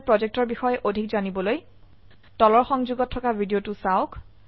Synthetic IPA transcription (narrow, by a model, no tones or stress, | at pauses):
pɹɔzek̚tɔɹbixɔjɛʔodʱikzanibɔloj | tɔlɔɹxɔŋzuɡɔtʰːɔkabʱidiotʊsaʊk